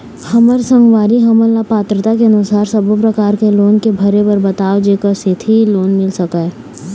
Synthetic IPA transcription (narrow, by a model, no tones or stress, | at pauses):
hɐməɾsɐ̃ŋɡʋaːɾiɦɐməlːapaːt̪ɾət̪akeɐnʊsaːɾsɐbopɾɐkaːɾkeloːnkebʱɐɾebɐɾbɐt̪aːʋd͡ʒeːkəset̪ʰiloːnmɪlsɐkaɛ